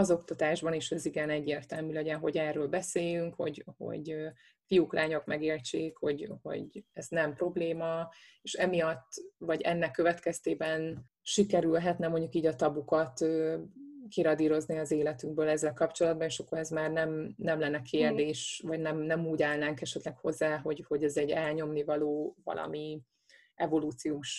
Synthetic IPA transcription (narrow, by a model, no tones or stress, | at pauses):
ɒzo̞kt̪ɒt̪aːʒbɒneːʃɛziɡɛnɛɟːeːrt̪ɛlmylɛɟɛnɦo̞ɟɛrːøːlbɛseːjyŋkho̞̰ɟho̞̰ɟø | fijuklʔaːɲo̞kmɛɡeːrt͡ʃeːkho̞̰ɟho̞̰ɟɛznɛmpro̞bleːmɒeːʃɛmijɒt̪ːvɒɟɛ̰nːɛkːø̞vɛt̪kɛst̪eːbɛn | ʃikɛɾylɦɛt̪nɛmo̞ɲɟukiːɟɒt̪ɒbukɒt̪øːkiɾɒd̪iːɾo̞zniɒzeːlɛt̪yŋɡ̚bøːlɛzːɛlkɒpt͡ʃo̞lɒd̪bɒneʃɒkːo̞ɾɛzmaːrnɛmnɛmlɛnːɛkʰeːrd̪eːʃvɒɟnɛmnɛmuːɟaːlnaːŋkɛʃɛt̪lɛkho̞zːaːɦo̞ɟho̞ɟɛzɛɟɛlɲo̞mnivɒloːvɒ̰lʔɒ̰mi | ɛvo̞luːt̪sijoːʃ